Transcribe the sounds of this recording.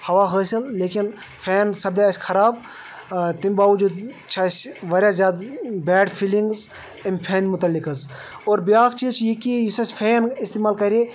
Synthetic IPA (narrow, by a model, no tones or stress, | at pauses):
hɐʋaːɦəːsilleːkin | pʰeːnsɐb̚d̪eɐsʲkʰɐɾaːb̚ | t̪imʲbaːʋud͡ʒud̪ | t͡ʃʰasʲʋɐɾʲjazʲjaːd̪bɛːɖpʰilĩŋɡz | ɐmʲpʰeːnʲmʊt̪ɐlːikɐz | oːɾbjaːkt͡ʃizt͡ʃʰjikijisɐsʲpʰeːnist̪eːmaːlkɐɾʲe